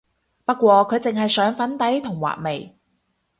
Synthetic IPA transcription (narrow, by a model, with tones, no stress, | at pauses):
pɐ˥t̚kːʷwɔː˧kʰɵ˨˧ɥt͡sɪ˨ŋɦɐ˨jsœː˨˥ŋfɐ˨˥nt̪ɐ˨˥jt̪ʰʊ˨˩ŋwa̰ː˨˩k̚me˨j